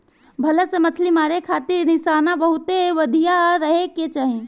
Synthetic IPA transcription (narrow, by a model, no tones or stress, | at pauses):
bʱɐlesemɐt͡ʃʰlimaːɾekʰaːt̪ɪɾnɪʃaːnabəɦʊt̪eʋəd̪ʱijaɾəɦeket͡ʃaːɦiẽ